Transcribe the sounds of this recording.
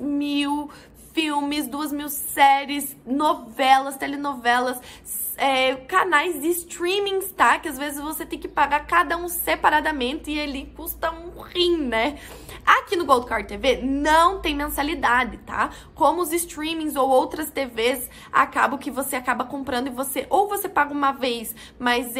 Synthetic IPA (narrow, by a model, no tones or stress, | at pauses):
miw | fiwmɪzd̪uɐzmiwsɛɾɪs | novɛlɐst̪ɛlɪnovɛlɐs | ɛkanajzd͡ʒɪst̪ɾĩmĩst̪akɪazvezɪzvoset̪ẽj̃kɪpaɡaɾkad̪ɐũsepaɾad̪ɐmẽnt̪ɪɪelikust̪ɐũχĩnɛ | akinʊɡowd̪̚kaɾt̪evenɐ̃w̃t̪ẽj̃mẽsalid̪ad̪ɪt̪a̰ | kõmʊʊzɪst̪ɾĩmĩzowowt̪ɾɐst̪eves | a̰ka̰bɐ̃w̃kɪvoseakabɐkõmpɾɐ̃nd̪ʊɪvoseʔowvosepaɡɐũmɐvejs | mɐz